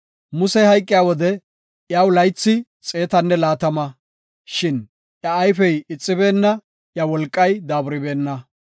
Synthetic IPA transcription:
mʊsɛhɐjkʼːɪjaːwɔd̪ɛ | jaːwlɐjt͡sːɪ | t͡sʼe̞ːt̪ɐnːɛlaːt̪ɐmɐ | ʃɪn | ʔjɐːjfɛjɪt͡sʼːɪbe̞ːnːɐ | ʔjɐwɔlkʼːɐjd̪aːbʊɾɪbe̞ːnːɐ

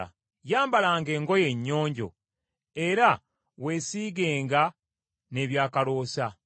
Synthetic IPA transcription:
jaːmbalaːŋɡe̞ːŋɡo̞je̞ɲːo̞ːɲɟo̞̰ | e̞ɾa | we̞ːsiːɡe̞ːŋɡa | ne̞ːβjaːkalo̞ːsa

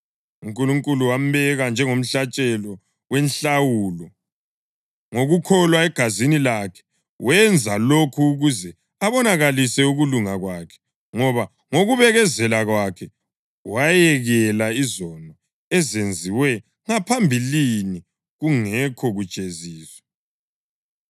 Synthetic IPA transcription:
uŋkʼuluŋkʼuluwam̩βɛɣand͡ʒʱɛŋom̩ɬat͡ʃʼɛlɔ | wenɬawuːlɔ | ŋoɣukʰɔlwaɛɡ̥ʱazinilakʰɛ̥ | wɛnd͡zʱalokʰuːɣuzɛ | aβɔnaɣalisɛuɣuluŋaɣwakʰɛ̥ | ŋɔβa | ŋoɣuβɛɣɛzɛlaɣwakʰɛ | wajɛɣɛlaizɔnɔ | ɛzend͡zʱiwɛ | ŋapʰambʱilini | ɣuŋɛkʰɔɣu̥t͡ʃʼeziːswɛ̥

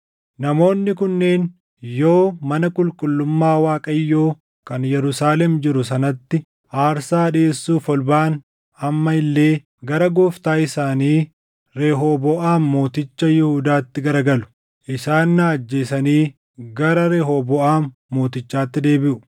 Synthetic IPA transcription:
nɐmo̞ːnːɪkʊnːeːn | jo̞ːmɐnɐkʼʊlkʼʊlːʊmːaːwaːkʼɐjːo̞ː | kɐnjɛɾʊsaːlɛmd͡ʒɪɾʊs̬ɐnɐt̪ːɪ | aːɾsaːᶑeːsːuːfɔlbaːn | ɐmːɐɪlːe̞ː | ɡɐɾɐɡoːft̪aːɪsaːniː | ɾeːɦobɔʔaːnmo̞ːt̪ɪt͡ʃːɐjɪhuːd̪aːt̪ːɪɡɐɾɐɡɐlʊ̥ | ʔɪsaːnːaːd͡ʒːe̞ːsɐniː | ɡɐɾɐɾeːɦobɔʔaːnːo̞ːt̪ɪt͡ʃːaːt̪ːɪd̪e̞ːbɪʔʊ

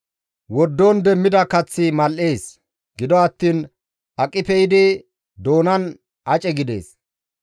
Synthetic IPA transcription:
wɔd̪ːoːnd̪ɛmːɪd̪ɐkɐt͡sːɪmɐlʔeːs | ɡɪd̪ɔɐt̪ːiːn | ʔɐkʼːɪpɛjɪd̪ɪ | d̪o̞ːnɐn | ɐt͡ʃʼɛɡɪd̪e̞̰ːs

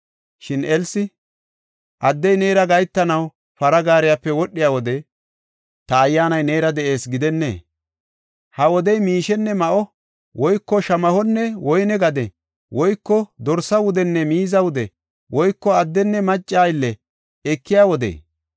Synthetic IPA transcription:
ʃɪnɛlsɪ | ʔɐd̪ːɛjne̞ːɾɐɡɐjt̪ːɐnɐw | pɐɾɐɡaːɾɪjapːɛwɔɗːɪjaːwɔd̪ɛ | t̪ɐːjːaːnɐjne̞ːɾɐd̪ɛʔe̞ːsɡɪd̪ɛnːḛː | hɐwɔd̪ɛjmiːʃɛnːɛmɐʔɔ | wɔjkːɔʃɐmɐhɔnːɛwɔjnɛɡɐd̪ɛ | wɔjkːɔd̪ɔɾsɐwʊd̪ɛnːɛmiːzɐwʊd̪ɛ | wɔjkːɔɐd̪ːɛnːɛmɐt͡ʃʼːaːjlːɛ | ɛkːɪjaːwɔd̪ḛː

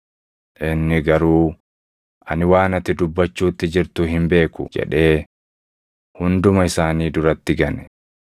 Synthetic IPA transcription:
ʔɪnːɪɡɐɾuː | ʔɐnɪwaːnɐt̪ːɪd̪ʊbːɐt͡ʃːuːt̪ːɪd͡ʒɪɾt̪ʊhɪmbe̞ːkʊ̰d͡ʒɛ̰ᶑe̞ː | hʊnd̪ʊmɐɪsaːniːd̪ʊɾɐt̪ːɪɡɐnɛ̥

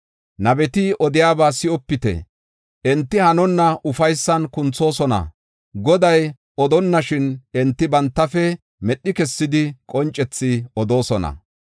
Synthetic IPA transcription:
nɐbɛt̪ɪʔɔd̪ɪjaːbaːsɪʔɔpːɪt̪ɛ̰ | ʔɛnt̪ːɪhɐnɔnːɐʔʊfɐjsːɐnkʊnt͡sːo̞ːsɔnɐ̰ | ɡɔd̪ɐj | ɔd̪ɔnːɐʃɪnɛnt̪ːɪbɐnt̪ːɐfɛ | mɛɗːɪkɛsːɪd̪ɪkʼɔnt͡ʃʼːɛt͡sːɪɔd̪o̞ːsɔnɐ̰

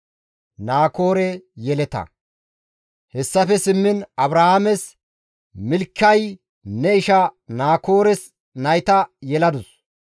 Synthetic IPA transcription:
naːko̞ːɾɛjɛlɛt̪ɐ̰ | hɛsːɐfɛsɪmːɪnɐbɾɐhamɛs | mɪlkːɐj | nɛɪʃɐnaːkoːɾɛs | nɐjt̪ɐjɛlɐd̪ʊs

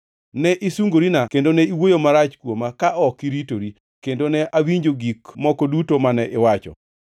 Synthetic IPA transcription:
nɛʔisuŋɡoɾinakendonɛiwojomaɾat͡ʃkwomakaʔɔkiɾitoɾi | kendonɛʔawiɲd͡ʒoɡikmɔkodutomanɛʔɪwat͡ʃɔ̰

